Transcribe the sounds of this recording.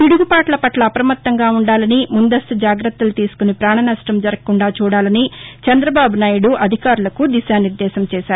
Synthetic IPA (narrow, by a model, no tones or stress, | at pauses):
piɽuɡupaːʈlɐpɐʈlɐːpɾɐmɐt̪ːɐŋɡaːuɳɖaːlɐnimund̪ɐst̪ud͡ʒaːɡɾɐt̪ːɐlut̪iːsu̥kunipɾaːɳɐnɐʃʈɐmd͡ʒɐɾɐkkːuɳɖaːt͡ʃuːɽaːlɐnit͡ʃɐnd̪ɾɐbaːbunaːjuɽuʔɐd̪ʱikaːɾulɐkud̪iʃaːniɾd̪ɛːʃɐmt͡ʃɛːʃaːɾu